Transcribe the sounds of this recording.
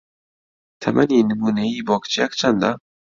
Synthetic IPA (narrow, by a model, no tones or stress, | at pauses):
t̪ʰamʔaniːnɨmuːneiːbɔːkt͡ʃʰijakt͡ʃʰand̪a